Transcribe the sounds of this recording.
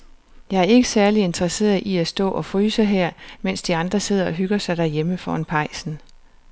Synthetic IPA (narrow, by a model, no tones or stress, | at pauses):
jɑ̈ɪæɐe̝ɡ̥əsæɐlie̝nd̥ʁɐse̝̰ːɐð̩ˠʔiæsd̥ɔ̰̽ːʔɒ̽fʁyːsəɦeɐ̰men̰sd̥iɑ̈nd̥ʁɐse̝ð̞̰ˠɐɒ̽ɦyɡ̥ɐsɑ̈ɪd̥æɐjeməfɒ̰ːænpʰɑ̈ɪ̰sn̩